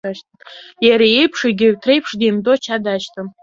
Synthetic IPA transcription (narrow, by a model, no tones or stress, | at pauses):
aʃtʰajaɾaejpʰʂaɡʲɪtʰrejpʰʂdejmdot͡ʃʰadaʃtʰam